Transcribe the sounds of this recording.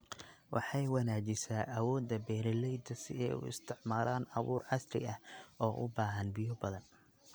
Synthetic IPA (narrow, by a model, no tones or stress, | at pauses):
wɑ̰ħɑjwɑnaːt͡ʃɪsaːʔɐwɔːd̪ɐbɛːɾɛlɛjd̪ɐsɪɛ̰ʊ̰ɪ̰st̪ʰɪʕmaːlʔaːnɐβuːrʕɑsɾɪ̰ɐhɔːʔʊ̰baːɦɐnbɪjɔbɐðɐn